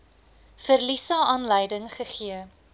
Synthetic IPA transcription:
fərlisɑɑːnləjdəŋχəχiə

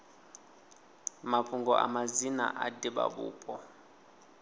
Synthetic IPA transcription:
mapʰuŋɡɔʔa̰mazina̰ʔadiɓa̰ɓṵːpʼɔ

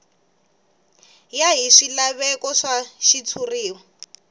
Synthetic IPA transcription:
jaɦiʂilaβɛkɔʂaʃit͡sʰuriːwɔ

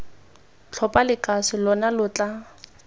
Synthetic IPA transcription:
t͡ɬʰɔpʼalɪkʼasɪlɔnalʊt͡ɬʼa

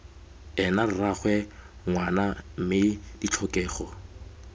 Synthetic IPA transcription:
ɛnaraχwɛŋwanam̩mɪd̥it͡ɬʰɔkʼɛːχɔ

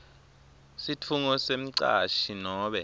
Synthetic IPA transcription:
sitʰuŋɔsem̩ǀa̰ʃinɔːɓɛ

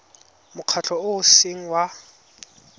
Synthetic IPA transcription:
mʊq͡χʰat͡ɬʰɔʊseŋ̩wa

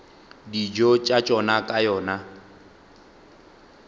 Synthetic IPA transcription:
did͡ʒɔt͡ʃʼat͡ʃʼɔnakʼajɔːna

